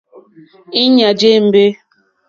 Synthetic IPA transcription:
i˦ɲa˨d͡ʒe˦m̩˦be˦

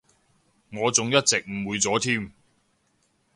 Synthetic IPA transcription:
ŋɔː˨˧t͡sʊ˨˧ŋjɐ˥t̚t͡sɪ˨k̚m̩˨˩wuː˨˧jt͡sɔː˨˥t̪ʰiː˥m

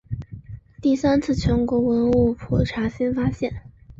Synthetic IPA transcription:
t̪i˥˩sa˥nt͡sʰɹ̩˥˩t͡ɕʰɥɛ˧˥nkwɔ˧˥wə˧˥nu˥˩pʰɔ˨˩ʈ͡ʂʰa˧˥ɕi˥nfa˥ɕjɛ˥˩n

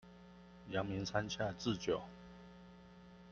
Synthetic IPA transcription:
jɑ˧˦ŋmi˧˦nt͡sʰa˦nt͡ɕʰja˥˨t͡sɹ̩˥˨t͡ɕjo˨˩˦ʊ

